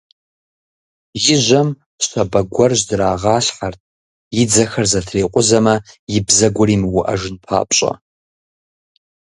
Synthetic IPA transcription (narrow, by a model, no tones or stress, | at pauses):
jɪʒʷam | ʃʷtʰabaɡʷarʒʷdraːʁaɬħartʼ | id͡zaxarzatʰrejqʷʼʊzamajɪbzaɡʷʊrimwuʔa̰ʐɨnpʰa̰pʼɕʼa̰